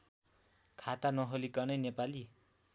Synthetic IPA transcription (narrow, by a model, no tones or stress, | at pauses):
kʰat̪anʌɦolikʌnʌjnepali